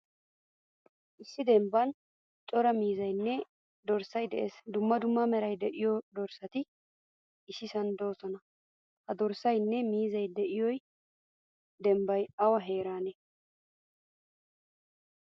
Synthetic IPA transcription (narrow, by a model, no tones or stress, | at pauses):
ʔɪsːɪd̪ɛmbɐn | t͡ʃʼɔɾɐmiːzɐjnːɛ | d̪ɔɾsɐjd̪ɛʔḛːsd̪ʊmːɐd̪ʊmːɐmɛɾɐjd̪ɛʔɪjɔd̪ɔɾsɐt̪ɪ | ɪsɪsɐnd̪o̞ːsɔnɐ | hɐd̪ɔɾsɐjnːɛmiːzɐjd̪ɛʔɪjɔj | d̪ɛmbɐjɐwɐɦe̞ːɾaːnɛ